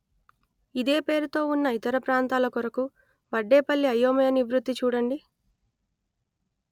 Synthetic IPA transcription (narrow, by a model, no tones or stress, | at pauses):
id̪e̞ːpe̞ːɾut̪o̞ːunːɐit̪ɐɾɐpɾaːnt̪aːlɐkɔɾɐku | ʋɐɖːeːpɐlːiɐjːoːmɐjɐnibɾut̪ːit͡ʃuːɽɐɳɖi